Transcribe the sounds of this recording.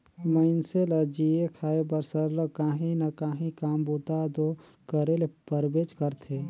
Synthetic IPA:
məɪnseləd͡ʒiekʰaːebəɾsəɾləkaːɦĩnɐkaːɦĩkaːmbut̪ad̪o | kəɾelepəɾbeːt͡ʃkəɾt̪ʰe

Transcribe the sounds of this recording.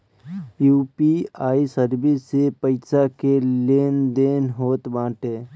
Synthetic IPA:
juːpiaːisəɾbisːepəɪsakeleːnd̪eːnɦoːt̪bãːʈẽː

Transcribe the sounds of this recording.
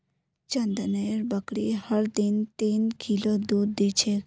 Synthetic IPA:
t͡ʃənd̪əneɾbəkɽihəɽd̪int̪inkʰilod̪ud̪ːit͡ʃʰek

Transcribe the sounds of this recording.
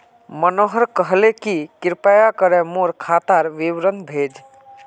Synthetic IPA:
mənoɦəɾkəɦlekikiɾpajakəɾɛmoɾkʰat̪aɾʋiʋɾənbʱed͡ʒ

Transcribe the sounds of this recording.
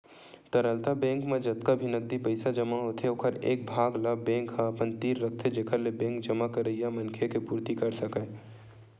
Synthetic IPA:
t̪əɾəlt̪abɛ̃ːŋkmẽd͡ʒɐt̪kabʱinɐɡ̚d̪ipɐɪsad͡ʒɐmaɦot̪ʰeokʰəɾeːk̚bʱaːɡlabɛ̃ːŋkɦapənt̪iːɾːɐk̚t̪ʰed͡ʒeːkʰəɾlebɛ̃ːŋk̚d͡ʒɐmakɐɾəijamɐnkʰekepuːɾt̪ikɐɾsɐkə

